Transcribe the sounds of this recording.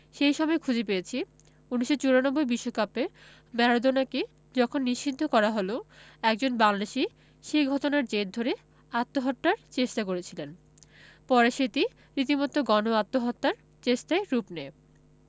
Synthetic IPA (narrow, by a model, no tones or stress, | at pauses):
ʃejʃɔmɔekʰud͡ʑepejet͡ɕʰi | uniʃot͡ɕuɾanɔbːojbiʃːokapeɾ | mɛɾod̪onake | d͡ʑɔkʰonːiʃːid̪ʱːokɔɾaɦoloɛk̚d͡ʑonbaŋlad̪eʃi | ʃejɡʱɔt̪onaɾd͡ʑet̪̚d̪ʱoɾe | at̪ːoɦɔt̪ːaɾt͡ɕeʃt̪akoɾet͡ɕʰilen | pɔɾeʃet̪i | ɾit̪imɔt̪oɡɔnoat̪ːoɦɔt̪ːaɾ | t͡ɕeʃt̪aeɾupnɛe